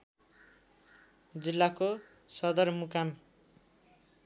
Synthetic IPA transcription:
d͡zilːako | sʌd̪ʌrmukam

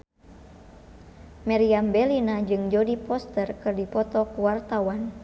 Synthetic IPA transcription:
mɛɾiambɛlinad͡ʒɨŋd͡ʒɔdipɔst̪ərkɨrdipɔt̪ɔkuwart̪awan

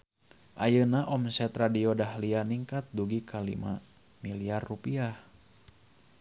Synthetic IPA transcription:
ʔajənaʔɔmsɛt̪radiɔdahlianiŋkat̪̚duɡikʰalḭma̰ | miliarːupiah

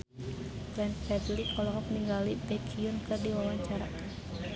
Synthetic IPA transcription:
blɛnpɛdlikɔlɔŋɔpniŋɡalibɛkʰiʊnkɨrdiwawaɲt͡ʃaɾa

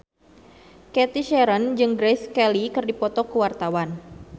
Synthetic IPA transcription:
kɛt̪iʃɛɾənd͡ʒɨŋɡɾeskɛlikɨrdipɔt̪ɔkəwart̪awan

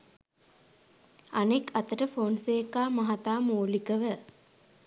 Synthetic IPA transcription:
anekat̪əʈəfoːnseːkːaːmaɦat̪aːmoːlikəʋə

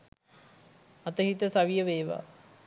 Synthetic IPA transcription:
ɐt̪əɦit̪əsaʋijəʋeːʋa̰

